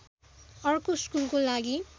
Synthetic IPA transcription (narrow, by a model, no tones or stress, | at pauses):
ʌrkoskulkolaɡi